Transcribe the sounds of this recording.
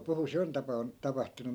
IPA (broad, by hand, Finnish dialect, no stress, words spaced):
puhu se on tɑpɑun tɑpɑhtunu